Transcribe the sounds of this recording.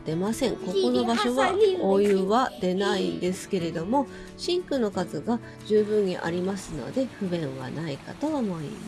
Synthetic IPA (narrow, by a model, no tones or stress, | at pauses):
d̪̥e̞masẽ̞ŋko̞ko̞no̞baɕo̞βaoːjɯβad̪̥e̞naĩnd̪e̞sɨ̥ke̞ɾe̞d̪o̞mo̞ | ɕĩŋkɯ̟no̞kazɨɡa | d͡ʑɨːbɯ̟̃ɲ̟ːḭʔa̰ɾʲimasɨno̞̰d̪e̞ɸɯ̟bẽ̞ɰ̃βa̰naika̰t̪o̞amo̞ḭma